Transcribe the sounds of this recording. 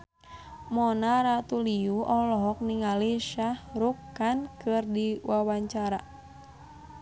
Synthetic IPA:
mɔnaɾat̪uliuʔɔlɔɦɔk̚niŋaliʃahɾukːankɨrdiwawaɲt͡ʃaɾa

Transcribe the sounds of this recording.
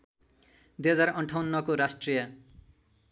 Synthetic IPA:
d̪ujɦʌd͡zarʌɳʈʰawnːʌkoɾasʈrijʌ

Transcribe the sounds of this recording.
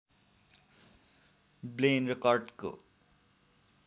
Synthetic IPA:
blenrʌkʌrʈko̰

